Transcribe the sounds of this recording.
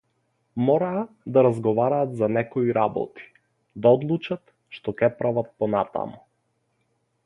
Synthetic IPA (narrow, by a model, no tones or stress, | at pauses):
mɔɾaː | d̪aɾazɡɔvaɾaːt̪zanɛkɔiɾabɔ̰t̪i̥ | d̪aɔd̪lˠut͡ʃat̪ | ʃt̪ɔkʲɛpɾavat̪̚pɔnat̪a̰mu